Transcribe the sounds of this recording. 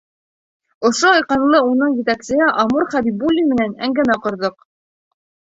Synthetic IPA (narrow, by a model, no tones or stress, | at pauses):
ŏʃoɑjqɑnlˠɤunɤɴjɘ̆t̪æksɘ̆ɦɘʔɑmuɾχæbibulʲːimɘ̆nænæ̰ŋɡænæqŏɾðɤq